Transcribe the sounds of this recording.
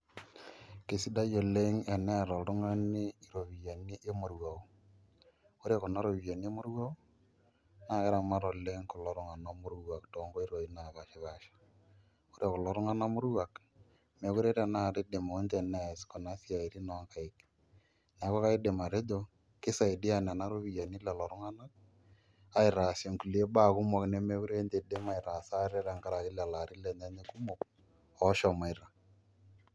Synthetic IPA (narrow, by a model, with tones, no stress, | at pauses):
ke˨si˦da˦jo˨le˦ŋe˨nɛ˦˨ɾɔ˨ɾʊ˦ŋa˦ni˦i˨ɾo˨βi˨ja˨ni˦ʔe˦mo˨ɾwa˨u˦ | o˦ɾe˦˨kɔ˨na˦ɾo˨βi˨ja˨ni˦e˦mo˦ɾwa˦u˦ | na˦˨e˦ɾa˨ma˦ɾo˨le˦ŋkɔ˨lɔ˦ɾʊ˦ŋa˨no˦mʊ˦ɾwa˨kto˨˦ŋɡo˦i˦ɾo˨i˦na˨βa˨ʃɪ˦βa˦ʃḁ˨ | o˦ɾe˨ko˨lɔ˨ɾʊ˦ŋa˦na˦mʊ˦ɾwa˨k | mɛ˨ku˦ɾe˦ɾa˨na˦˨ɾɪ˦de˨mo˨˦ntɛ˨na˦˨skɔ˨na˦si˦a˨i˨ɾi˦nɔ˨˦ŋka˨ɪ˦k | na˨˦kɔ˦ka˦ɪ˦de˨ma˨ɾe˦dɔ˦ | kɪ˦sa˨ɪ˨dɪ˦a˨nɛ˨na˦ɾʊ˦βi˨ja˨ni˦lɛ˨lɔ˨ɾʊ˦ŋa˦na˦k̚ | a˨ɪ˨ɾa˨sjɔ˨ŋku˨le˦ba˦˨kʊ˦mɔ˨knɛ˦me˦ku˦ɾe˦nte˨de˦ma˨ɪ˨ɾa˨sa˦ɾɛ˦ɾa˨ŋɡa˦ɾa˨kɪ˦lɛ˨la˨ɾɪ˦lɛ˨ɲa˦ɲe˦kʊ˦mɔ˨k | ɔ˦ʃɔ˨ma˨ɪɾa˨